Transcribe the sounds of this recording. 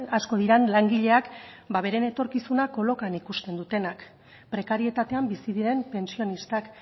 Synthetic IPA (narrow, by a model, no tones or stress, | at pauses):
asko̞ð̞iɾanlaŋɡiʎe̞akbaβe̞ɾe̞ne̞t̪o̞ɾkisunako̞lo̞kanikust̪e̞nd̪ut̪e̞nak | pɾe̞kaɾie̞t̪at̪e̞ambisiðiɾe̞mpe̞nsio̞nist̪ak